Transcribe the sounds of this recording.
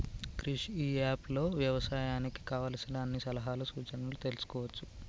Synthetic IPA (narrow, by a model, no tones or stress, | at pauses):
kɾiʂiːaːplo̞ːʋjɐʋɐsaːjaːniki̥kaːʋaːlɐsinɐɐnːisɐlɐɦaːlusuːt͡ʃɐnulut̪e̞lusu̥kɔːʋɐt͡ʃːu̥